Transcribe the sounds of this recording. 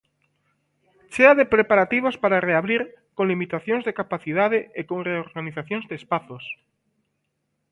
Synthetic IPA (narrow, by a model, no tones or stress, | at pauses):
t͡ʃeaðepɾepaɾat̪iβ̞ospaɾareaβɾiɾkoŋlimit̪aθjõŋzðekapaθiðað̞eekõŋreoɾɣaniθaθjoŋzðeːspaθos